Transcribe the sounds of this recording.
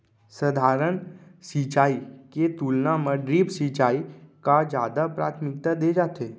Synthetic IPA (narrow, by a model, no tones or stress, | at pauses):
səd̪ʱaːɾəɳ̃sit͡ʃaːiket̪uːlnaməɖɾiːpsiːt͡ʃaːikad͡ʒja̰ːd̪apɾa̰ːt̪ʰmɪk̚t̪ad̪ed͡ʒaːt̪eː